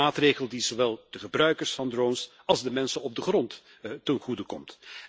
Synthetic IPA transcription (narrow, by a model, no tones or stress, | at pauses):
aːtreːχəlˠdizoʋɛlˠd̥əχəbrœɥkəɹsfɑndrowns | ɑlˠzdəmɛnsənɔb̚dəχrɔnt | tənχudəkɔmt